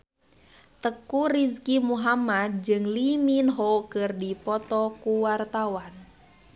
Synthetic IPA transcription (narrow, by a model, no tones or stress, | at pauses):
t̪əkurizkimuɦamad̪̚d͡ʒɨŋliminɦokɨrdipɔt̪ɔkuwart̪awan